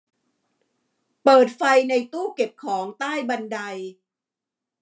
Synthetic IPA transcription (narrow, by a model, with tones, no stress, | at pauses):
pɤː˨˩t̪̚fa˧jna˧jt̪uː˥˩ke˨˩p̚kʰɔː˩˦ŋt̪aː˥˩jba˧nda˧j